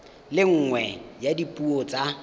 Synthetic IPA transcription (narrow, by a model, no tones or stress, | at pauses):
lɪŋ̩ŋwɛjadipʼuɔt͡sʼa